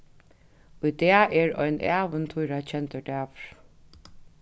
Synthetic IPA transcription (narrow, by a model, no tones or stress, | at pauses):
ʊjd̪ɛːɛɹɔ̰jnʔæ̰ːʋənt̪ʰʊjɾat͡ɕʰɛnt̪əɖæːʋ